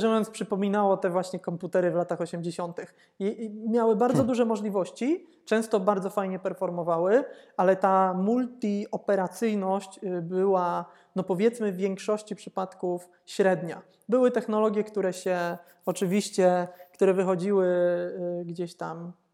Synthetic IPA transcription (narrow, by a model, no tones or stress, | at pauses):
ʐɛjɔnspʂɘpɔmʲinawɔt̪ɛvwaɕɲɛkɔmput̪ɛɾɘvlat̪axɔɕɛmd͡ʑeɕɔnt̪ɘx | mʲjawɘbaɾd̪zɔd̪uʐɛmɔʐlʲivɔɕt͡ɕi | t͡ʂɛ̃w̃st̪ɔbaɾd̪zɔfajɲɛpɛɾfɔɾmɔvawɘalɛt̪amult̪iɔpɛɾat̪sɘjnɔɕt͡ɕbɘwa | nɔpɔvʲjɛt̪smɘvʲjeŋkʂɔɕt͡ɕipʂɘpat̪kuf | ɕɾɛd̪ɲa | bɘwɘt̪ɛxnɔlɔɡʲjɛkt̪uɾɛɕɛ | ɔt͡ʂɘvʲiɕt͡ɕɛkt̪uɾɛvɘxɔd͡ʑiwɘ | ɡd͡ʑeɕt̪am